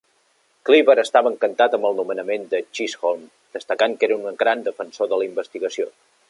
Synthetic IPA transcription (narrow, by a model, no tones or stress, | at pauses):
kliβəɾəst̪aβəŋkənt̪at̪əmbəlˠnumənəmend̪ət͡ʃisɣolˠm | d̪̥əst̪əkaŋkeɾəunɣɾand̪əfənsoðələimbəst̪iɣəsio̰